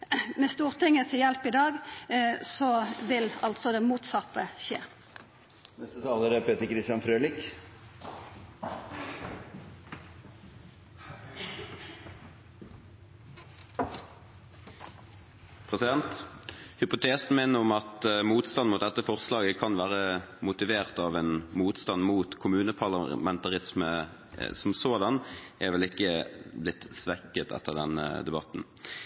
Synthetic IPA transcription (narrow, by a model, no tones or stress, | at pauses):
mɛst̪uːʁt̪ʰɪŋːət̪ʰɪjɛlpɪd̪ɑːɡ | sɔʋɪlɑ̰lt̪sɔd̪ɛmuːt̪sɑt̪ːəʃḛː | nɛst̪ət̪ʰɑːləɾəpʰeːt̪əɾkɾɪst̪jɑnfɾøːlɪk | pʰʁɛsɪd̪ɛnt̪hʏpʊt̪ʰeːsn̩mɛnəʊmɑt̪muːt̪st̪ɑnmʊt̪̚d̪ɛt̪ːəfɔʁslɑːɡəkʰɑnʋæːʁəmʊt̪ɪʋeːʁt̪ɑʋɛnmuːt̪st̪ɑnmuːt̪kʰʊmʉːnəpʰɑʁlɑmɛnt̪ɑʁɪsmə̰ | sɔmsoːd̪ɑnʔɛʋɛlɪkːəblɪt̪ːsʋɛkːət̪ʰɛ̰t̪ːəʁd̪ɛnə̰d̪ɛbɑt̪n̩